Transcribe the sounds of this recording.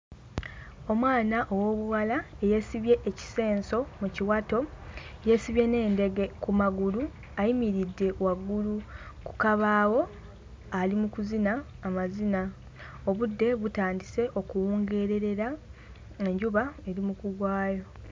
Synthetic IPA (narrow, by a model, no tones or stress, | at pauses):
o̞mwaːnaʔo̞wo̞ːβuwala | eje̞siβje̞ʔːci̥se̞ːnso̞muciwatoje̞siβje̞ne̞ːnde̞ɡe̞kumaɡulu | ajimiɾidːe̞waɡːuluku̥kaβaːwo̞ | alimukuzinaː | mazina | o̞βudːe̞βutaːndise̞ʔo̞kuwuːŋɡe̞ɾe̞ɾe̞ɾa | e̞ɲɟuβae̞ɾimukuɡwaːjo̞